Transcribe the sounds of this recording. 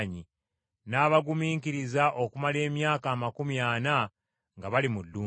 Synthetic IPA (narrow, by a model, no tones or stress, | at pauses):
ɲi | naːβaɡumiːŋkiɾizaʔo̞kumalie̞ːmjaːkaːmakumjaːna | ŋɡaβalimudːuː